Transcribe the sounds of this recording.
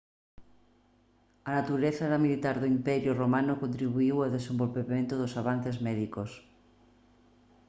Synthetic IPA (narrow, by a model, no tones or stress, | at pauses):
ɐnat̪uɾeθaðamilit̪aɾðoimpɛɾjʊromanokont̪ɾiβuiwawðesẽmbolpemẽnt̪oðosaβan̟θezmɛðikos